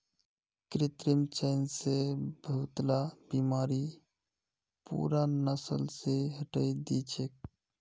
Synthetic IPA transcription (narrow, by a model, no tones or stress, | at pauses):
kɾet̪ɾimt͡ʃənsebʱəɦut̪labimaːɾi | pṵɾanəsəlseɦəʈəjd̪it͡ʃʰek̚